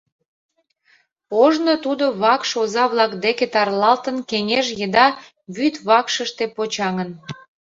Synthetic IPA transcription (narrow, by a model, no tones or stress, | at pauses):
poʒnot̪ud̪oβɑkʃozɑβlˠɑkd̪eket̪ɑrlɑlt̪ənkeŋeʃjəd̪ɑ | βyt̪βɑkʃəʃt̪epot͡ɕɑŋən